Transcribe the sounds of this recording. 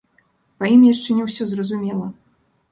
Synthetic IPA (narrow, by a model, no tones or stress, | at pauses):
pɐimjaʂt͡ʂɛnʲɛwsʲɔzrɐzumʲɛlˠɐ